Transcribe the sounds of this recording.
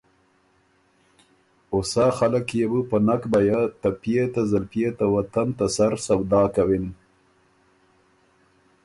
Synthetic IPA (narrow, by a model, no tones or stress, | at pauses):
ʊsɑxalakjebupənakbajat̪apjet̪azalpjet̪awat̪ant̪asaɾsawd̪ɑːkawin